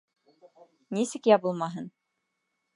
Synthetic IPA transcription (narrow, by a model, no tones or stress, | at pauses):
nisɘkjɑbɤlˠmɑɦɤn